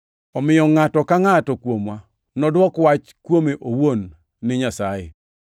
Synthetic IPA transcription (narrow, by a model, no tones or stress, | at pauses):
ɔmɪjɔŋatɔkaŋatɔkwomwa | nɔdwɔkwat͡ʃkwomeʔowonː | ɪɲasajɪ̰